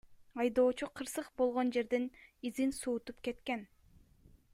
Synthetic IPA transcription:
ɑjd̪o̞ːt͡ʃuqʰɯɾsɯqbo̞lˠʁo̞nd͡ʒe̞ɾd̪enizinsuːt̪up̚ke̞t̪ke̞n

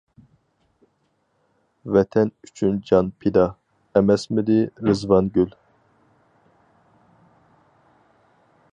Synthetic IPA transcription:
vɛt̪ʰɛnyt͡ʃʰynd͡ʒɑnpʰid̪ɑ | ɛmɛsmɨd̪iɾɨzvɑnɡʲyl

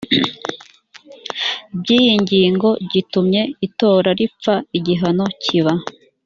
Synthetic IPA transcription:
bɟiːjiɲɟiːŋɡo̞ɟitumɲe̞ito̞ːɾaɾipp͡faiɟiɦano̞cʰiβa

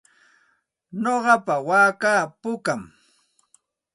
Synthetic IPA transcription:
ɲoɢɑpawaːkaːpʊkam

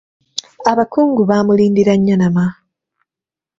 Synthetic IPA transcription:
aβakuːŋɡuβaːmuliːndiɾaɲːanama

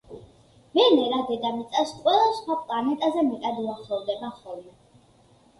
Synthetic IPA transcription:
mɛnɛɾad̪ɛd̪amit̪sʼasqʼwɛlˠasχwapʼlanɛt̪ʼazɛmɛt̪ʼad̪uaχlˠɔvd̪ɛbaχɔlˠmɛ

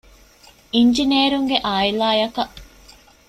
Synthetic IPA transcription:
iɲd͡ʒinieːɾuŋɡeʔaːilaːjɐkɐʔ

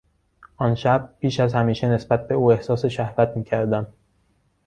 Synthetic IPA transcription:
ʔɒːnʃæb̚ːiːʃæzhæmiːʃene̞sbæt̪̚be̞uːe̞hsɒːseʃæhvæt̪̚ʰmiːcʰæɾd̪æm

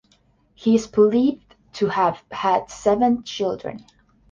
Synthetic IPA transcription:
hiɨz̥bəliv | tʰɨəv̥æd̥sɛvə̃nt͡ʃʰɪlˠdɹɨ̰̃n

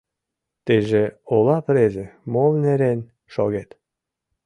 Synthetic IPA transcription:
t̪eʒeolɑpɾeʒemolneɾen | ʃo̰ɣet̪

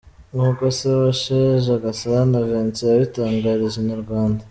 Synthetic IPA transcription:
ŋuːkoseβaʃeʒaɡasaɾanaveːnt͡sejaβitaːŋɡaɾiʒenaɾɡwaːnda

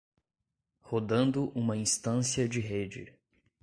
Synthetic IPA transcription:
hod̪ɐ̃nd̪ʊʔũmɐĩst̪ɐ̃sjɐd͡ʒɪɦed͡ʒɪ̰

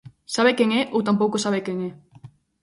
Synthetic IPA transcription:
saβekeŋeʔowt̪ampowkosaβekeŋe

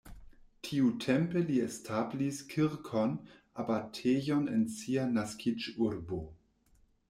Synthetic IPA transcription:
tʰiutʰempeliestʰabliskʰiɾkʰon | abatʰejonḛnsianaskʰid͡ʒuɾbo

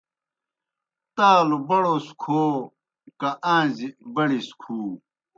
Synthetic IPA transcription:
t̪aːlubɐɽoskʰoː | kaʔãːzibɐɽiskʰuː

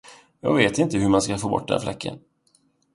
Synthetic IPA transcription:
jɑ̰ːɡveːt̪ɪnt̪əɦɵɾmanskafoːbɔ̰ʈ̚ːd̪ɛ̰nflɛkːə̰n

